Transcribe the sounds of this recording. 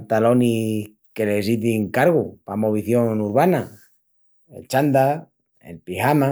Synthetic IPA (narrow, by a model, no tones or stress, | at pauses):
t̪alo̞ni | ke̞lesiθiŋkaɾɣ̞upa̰mo̞β̞iθjo̞nuɾβana | ḛt͡ʃand̪a | ḛlpihama